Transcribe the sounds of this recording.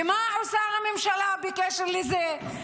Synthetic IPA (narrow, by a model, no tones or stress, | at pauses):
emaʕosaʁamemʃalabekeʃeʁleze